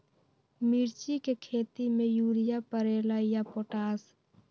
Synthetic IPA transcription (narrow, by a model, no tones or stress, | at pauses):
mɪɾt͡ʃikekʰeːt̪imẽjuːɾɪjapəɾeːlaijapoːʈaːs